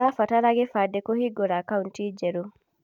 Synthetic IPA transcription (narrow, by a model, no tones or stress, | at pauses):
afataɾaɡɛfadɛkɔhiɡɔɾakauntid͡ʒɛɾo